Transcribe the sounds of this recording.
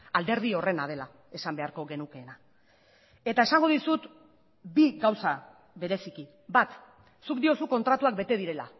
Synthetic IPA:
ald̪e̞ɾð̞io̞re̞nað̞e̞la | e̞sambe̞aɾko̞ɣe̞nuke̞ːna | e̞t̪ae̞saŋɡo̞ðisut̪ | biɣawsa | βe̞ɾe̞siki | bat̪ | sukd̪io̞suko̞nt̪ɾat̪uak̚be̞t̪e̞ð̞iɾe̞la̰

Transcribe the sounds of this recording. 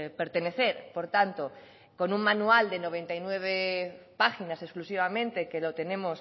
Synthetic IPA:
pe̞ɾt̪e̞ne̞θe̞ɾpo̞ɾt̪ant̪o̞ | ko̞nuŋmãnuald̪e̞no̞β̞e̞nt̪ajnwe̞β̞epaxinase̞sklusiβ̞amẽ̞nt̪e̞kelo̞t̪e̞ne̞mo̞s

